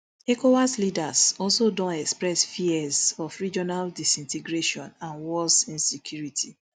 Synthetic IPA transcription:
ekowaslidasɔlsodɔ̃nɛkspɹɛsfiɛzɔfɹid͡ʒɔnaldisĩnteɡɹeʃɔ̃nãnwɔlsĩnsekʰjuɹitʰi

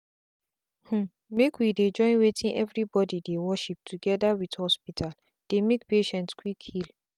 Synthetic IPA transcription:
h̩ | mekwided͡ʒɔ̃ɪ̃nwetʰĩnʔɛ̰vɹibɔdidewɔʃip̚tʰuɡɛdawidhɔspitʰal | d̥emek̚peʃɛ̃ntskwikʰːil

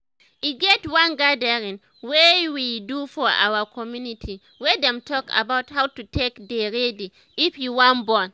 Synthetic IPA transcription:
iɡɛtwãnɡadəɹĩŋ | wewidufɔɹa̰wəkʰɔmjunitʰi | wɛdɛ̃mtʰɔka̰bawthawtutʰekdeɹedi | ifjuwãnbɔ̃n

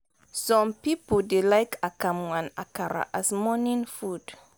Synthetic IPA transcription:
sɔ̃mpipodelaɪkʰakamwãnakaɾa̰ʔasmɔnĩnfud̥

